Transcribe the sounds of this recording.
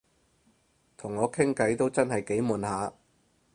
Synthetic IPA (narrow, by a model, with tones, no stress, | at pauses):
t̪ʰʊ˨˩ŋːɔː˨˧kʰɪ˥ŋkɐ˨˥jt̪o˥wt͡sɐ˥nhɐ˨jke˨˥jmuː˨nɦaː˨˧